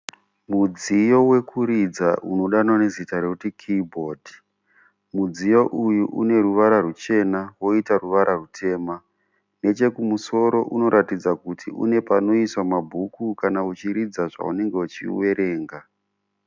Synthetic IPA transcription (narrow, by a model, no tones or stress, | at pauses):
mud͡zijo̞we̞kʰuɾid͡zaʔuno̞ɗananezitaɾe̞kutikʰibʱodʱi | mud͡zijo̞ʔujuʔune̞ruʋaɾarut͡ʃe̞nawo̞itaruʋaɾʔarutʰe̞ːma | ne̞t͡ʃe̞kumuso̞ɾo̞ʔuno̞ɾʔatid͡zakutʰḭṵne̞pano̞iswamabʱukukanaut͡ʃiɾid͡zaʐa̰ṵne̞ŋɡe̞ut͡ʃḭwe̞ɾe̞ːŋɡa